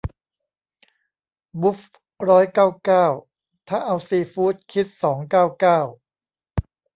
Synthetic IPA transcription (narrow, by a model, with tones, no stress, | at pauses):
bu˦˥f | ɾɔː˦˥jkaː˥˩wkaː˥˩w | t̪ʰa˥˩ʔa˧wsiː˧fuː˦˥t̪̚kʰi˦˥t̪̚sɔː˩˦ŋkaː˥˩wkaː˥˩w